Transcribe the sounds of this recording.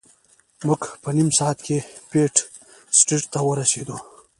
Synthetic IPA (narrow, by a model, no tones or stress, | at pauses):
mʊɡpənimsɑːat̪kʰepeʈ | sʈiʈt̪awəɾased̪u